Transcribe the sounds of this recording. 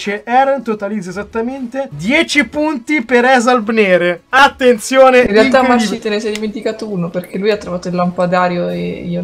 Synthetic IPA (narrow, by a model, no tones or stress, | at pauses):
t͡ʃeʔɛɾnt̪ot̪alid̪zaezat̪ːament̪ed̪jɛːt͡ʃipunt̪ipeɾɛzalbneːɾeat̪ːent̪sjoːneinrealt̪amːarsit̪enesɛd̪iment̪ikaːt̪ouːnoperk̟ʰelujat̪ːɾovaːt̪oilːampad̪aːɾjoḛio